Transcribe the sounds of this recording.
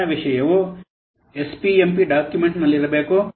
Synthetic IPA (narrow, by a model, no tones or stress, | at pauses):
ɐʋiʃɐjɐʋo | espiempiɖaːkjumeɳʈnɐlːiɾɐbeːku